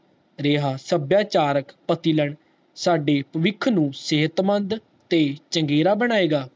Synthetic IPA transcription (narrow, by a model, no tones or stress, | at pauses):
ɾeːɦaːsəbjaːt͡ʃaːɾəkpət̪iːlɛɳ | saːɖeːpəʋɪkʰnũːseɦət̪mənd̪ | t̪eːt͡ʃəŋɡeːɾaːbəɽ̃aːeːɡaː